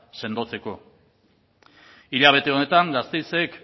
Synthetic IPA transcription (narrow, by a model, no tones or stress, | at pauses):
se̞nd̪o̞t͡se̞ko̞ | iʎaβ̞e̞t̪e̞o̞ne̞t̪aŋɡast̪ejse̞k